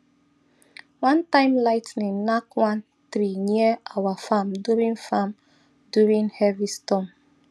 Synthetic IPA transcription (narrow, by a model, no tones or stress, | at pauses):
wãntãɪ̃mlaɪtnĩnnakwãn | tɾiniɛʔawafãmduɹĩŋfãm | duɹĩnhɛvistɔ̃m